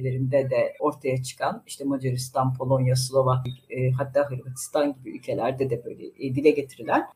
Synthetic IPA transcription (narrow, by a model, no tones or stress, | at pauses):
lʲe̞ɾind̪ɛd̪ɛo̞ɾt̪ʰajat͡ʃʰɯ̥kʰaniʃt̪ʰɛmod͡ʒaɾist̪ʰanpʰo̞lˠo̞njaslˠovakɯɦat̪ʰːaːɦɯɾbat̪ʰi̥st̪ʰanɟibiy̰lʲcʰe̞lʲæɾd̪ɛd̪ɛbø̞jlʲɛ̰d̪ilʲɛɟet̪ʰiɾilʲæn